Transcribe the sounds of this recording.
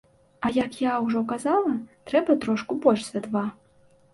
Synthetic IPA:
ɐjɐkjawʐɔkazalˠɐt̪ɾɛbɐt̪ɾɔʂkubɔlʲʂsʲvʲɛd̪va

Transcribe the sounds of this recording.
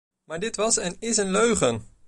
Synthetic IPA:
maːɹdɪtʋɑsɛnɪsənløɥχən

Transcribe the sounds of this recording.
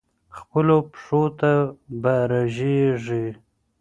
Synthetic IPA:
xpəlopʂot̪abaɾaʒeʐi

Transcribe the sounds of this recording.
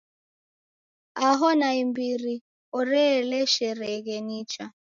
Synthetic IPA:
aɦɔnaimbiɾi | ɔɾɛlɛʃɛɾɛɣɛnit͡ʃa

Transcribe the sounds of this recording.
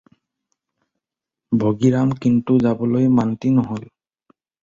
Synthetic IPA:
bʱoɡiɹamkintuzabɔlojmantinɔɦol

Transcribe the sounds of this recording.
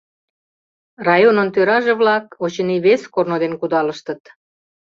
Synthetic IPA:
rɑjonənt̪øɾɑʒeβlɑkot͡ɕə̆niβeskornod̪enkud̪ɑləʃt̪ə̆t̪

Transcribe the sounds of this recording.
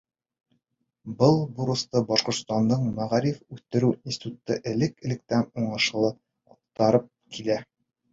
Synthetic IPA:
bɤlˠbuɾŭst̪ɤbɒʃqŏɾt̪st̪ɑnd̪ɤɴmæʁæɾifʉθt̪ɘ̆ɾʉinsʲt̪ʲt̪u̥t̪ːɤʔɘ̆lɘkɘ̆lɘ̆k̚t̪ænuɴɤ̆ʃɤ̆lˠɤ | ɒq̚t̪ɑɾɤp̚kʰilæ

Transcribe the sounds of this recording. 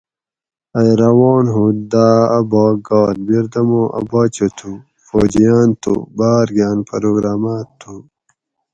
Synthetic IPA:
ɐjɾɐwoːnɦud̪aːbaːɡaːlbiɾd̪ɐmoʔɐ̰baːt͡ɕot̪ʰu | foːd͡ʑijaːnt̪ʰṵbaːɾɡjaːnpɐɾoːɡɾaːmaːt̪ʰːu

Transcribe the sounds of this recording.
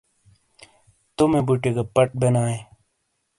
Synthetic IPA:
t̪umebuʈeɡapɐʈ̚benaːe

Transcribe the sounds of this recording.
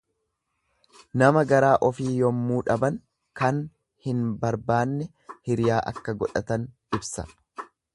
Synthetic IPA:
nɐmɐɡɐɾaːʔɔfiːjɔmːuːᶑɐbɐn | kɐn | hɪnbɐɾbaːnːɛ | hɪɾɪjaːʔɐ̰kːɐɡɔᶑɐt̪ɐn | ɪbsɐ̥̰

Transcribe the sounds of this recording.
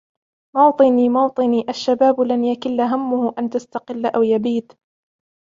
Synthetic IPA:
mɑwt̪ˤɨniːmɑwt̪ˤɨniːʔaʃːabaːblanjakɪlːaɦamːʊhʊʔant̪ast̪ɑqɪlːʔawjabiːt̪

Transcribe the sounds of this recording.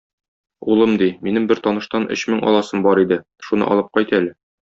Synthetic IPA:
ulˠɤmd̪iminɘmbɘɾt̪ɒnɤ̆ʃt̪ɑnʔɵ̰ɕmɘŋɒ̰lˠɑsɤmbɒɾid̪ɘ | ʃunɤ̰ʔɒ̰lˠɤp̚qɒjt̪ælɘ

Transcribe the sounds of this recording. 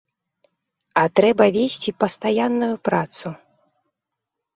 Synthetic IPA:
ɐt̪ɾɛbɐvʲesʲt͡sʲipɐst̪ajanːujupɾat̪su

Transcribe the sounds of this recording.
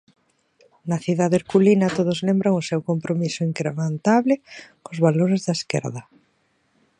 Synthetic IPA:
nɐθiðaðeɾkulinɐt̪oð̞ʊzlembɾaŋʊsewkompɾomisʊiŋkɾement̪aβlɪkʊzβaloɾɪzðɐeskɛ̰ɾðɐ

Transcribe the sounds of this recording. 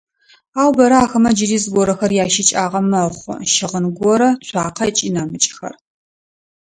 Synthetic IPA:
aːwbɐɾɐaːxɐmɐd͡ʒɪɾiːzɡʷɔɾɐxɐrjaːʃɪt͡ʃʼaːʁɐmɐχʷʊ̰ʃɪʁənɡʷɔɾɐt͡ɕʷʰaːqʰɐt͡ʃʼinɐmɨt͡ʃʼxɐ̰r

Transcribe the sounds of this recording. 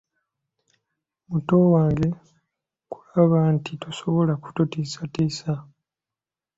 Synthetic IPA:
muto̞waːŋɡe̞ | ku̥laβantituso̞βolaku̥tutiːsatiːsa

